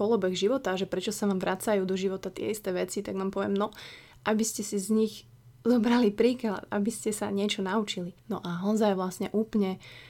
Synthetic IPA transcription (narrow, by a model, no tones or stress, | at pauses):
ɔlɔbɛɣʒiʋɔt̪aʒɛpɾɛt͡ʃɔsaʋaːmʋɾʔat͡sajuːd̪ɔʒiʋɔt̪at̪ɪɛ̰ist̪ɛːʋɛt͡sit̪aɡnaːmpɔʋɪɛmnɔ | ʔabiscɛsizɲiɣ | zɔbɾalipɾiːkla̰t̪a̰biscɛsa̰ɲɪɛt͡ʃɔnaut͡ʃilinɔʔaɦɔzajʋlasɲɛʔuːplɲɛ